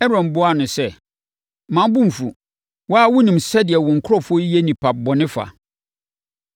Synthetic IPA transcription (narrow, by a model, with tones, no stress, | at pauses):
ɛ˦ɾɔ̃˨m˨bʊ˦a˨nʊ̃˨sɛ˦ | mã˨˦m˦bʊ̃˦m̩˨fu˨ | wɔ˦a˦wʊ˦nĩ˨msɛ˦dɪ˨ɛ˨wɔ̃˨ŋ̩˨kʰʊ˦ɔ˦fʊ˦ɔ˦e˦nĩ˨pʰa˨bɔ˨nɪ̃˦fa̰˨